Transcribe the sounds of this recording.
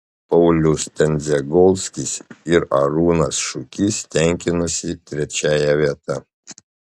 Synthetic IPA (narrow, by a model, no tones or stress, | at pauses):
pɐʊlʲʊst̪ʲɛnʲzʲɛɡɔlˠʲsʲkʲɪsɪɾɐɾuːnɐsʃʊkʲɪst̪ʲɛŋʲkʲɪnʊsʲɪt̪ʲɾʲɛt͡ʃʲæːjɛʋʲiɛt̪ɐ